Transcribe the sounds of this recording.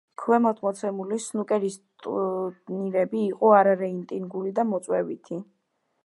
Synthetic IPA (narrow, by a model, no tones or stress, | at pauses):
kʰwɛmɔt̪ʰmɔt̪sʰɛmulisnukʼɛɾist̪ʼniɾɛbiːqʼɔaɾaɾɛint̪ʼinɡulid̪amɔt̪sʼwɛvit̪ʰi